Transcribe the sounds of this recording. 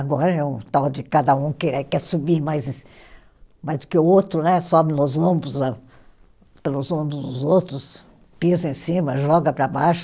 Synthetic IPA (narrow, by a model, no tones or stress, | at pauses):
aɡɔɾɐɛũt̪awd͡ʒɪkad̪ɐũkeɾɛkɛsubimajzẽs | majzd̪ʊkɪʊowt̪ɾʊnɛsɔbɪnʊzɐ̃bʊza | pelʊzũbʊzd̪ʊzowt̪ɾʊs | pizɐẽsĩmɐʒɔɡɐpɾɐbajʃ